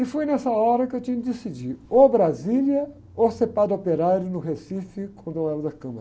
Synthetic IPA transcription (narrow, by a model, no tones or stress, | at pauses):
ɪfujnɛsɐɔɾɐkɪewt͡ʃĩɲɐkɪd̪esid͡ʒiɾobɾaziljɐ | osepad̪opeɾaɾjʊnʊɦesifɪkõnd̪õwɛlɐd̪ɐkɐ̃mɐɾɐ